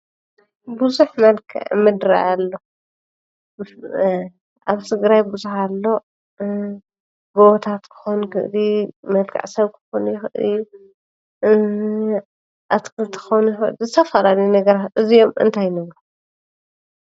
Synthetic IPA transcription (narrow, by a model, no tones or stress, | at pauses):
buzuħmɐlkʰa̰ʕmɨd̪ɾa̰jalːo | ʔaβt̪ʰɨɡɾajbuzuħalːo̞ | ɡoβt̪ʰat̪kʰɨ̥xonkʰɨ̰ʔlimɐlkʰa̰ʕsɐβkʰɨ̥xonjɪxɨʔɨli | ʔat̪kɨlt̪ʰɨ̥xonjɪxɨʔlzɨt̪ʰɐfɐlalinɐɡɐɾat̪ʔɨzijo̞mʔɨ̰nt̪ʰajnɐβɾo